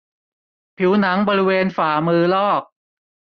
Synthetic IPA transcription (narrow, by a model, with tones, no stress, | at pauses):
pʰi˩˦wna˩˦ŋbɔː˧ɾi˦˥weː˧nfaː˨˩˦mɯː˧lɔː˥˩k̚